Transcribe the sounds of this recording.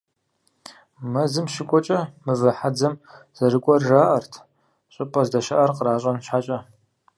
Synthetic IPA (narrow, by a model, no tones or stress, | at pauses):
mɐzɨmʃɪkʷʼɔt͡ʃʼɐmɨvɐħad͡zɐmz̥ɐɾɨkʷʼɔrraːʔɐrtʰ | ɕʼɪpʼɐzdɐʃɐʔɐrqəɾaːɕʼɐnɕħat͡ʃʼɐ